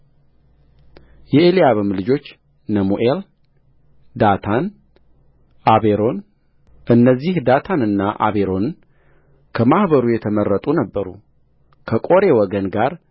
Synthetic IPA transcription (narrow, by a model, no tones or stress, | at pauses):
jɛelijaβɨmlɨd͡ʒo̞t͡ʃː | nəmuʔel | d̪at̪ʰan | ʔaβeɾo̞n | ʔɨnːəzːihd̪at̪ʰanɨnːaʔa̰βeɾo̞n | kʰəmahβəɾujɛt̪ʰəmərːət̪ʼunəbːəɾṵ | kʰəkʼo̞ɾe̞wɔɡənɡaɾ